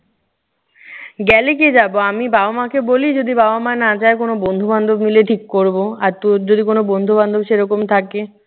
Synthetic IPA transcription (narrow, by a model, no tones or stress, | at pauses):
ɡɛlek̬ed͡ʑaboamibabamakebolid͡ʑod̪ibabamanad͡ʑaekonobond̪ʱuband̪ʱobmileʈʰikːoɾboaɾt̪od͡ʑod̪ikonobond̪ʱuband̪ʱobʃeɾɔkomt̪ʰake